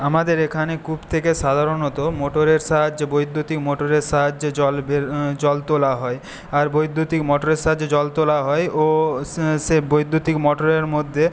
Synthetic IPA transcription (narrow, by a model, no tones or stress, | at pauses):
amad̪eɾekʰanekʰubt̪ʰekeʃad̪ʱaɾonot̪omoʈoɾeɾʃaɦad͡ʑebojd̪ʱːot̪ikmoʈoɾeɾʃaɦad͡ʑd͡ʑɔlbeɾd͡ʑɔlt̪olaɦɔe | aɾbojd̪ʱːut̪ikmɔʈoɾeɾʃaɦad͡ʑed͡ʑɔlt̪olaɦɔeo | ʃebojd̪ʱːut̪ikmɔʈoɾeɾmod̪ʱːe